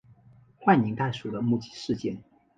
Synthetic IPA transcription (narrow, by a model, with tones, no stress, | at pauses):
xwa˥˩nni˧˥ŋt̪a˥˩ɪʂu˨˩d̪ə˦mu˥˩t͡ɕi̥˥˩ʂɻ̩˥˧t͡ɕjɛ˥˩n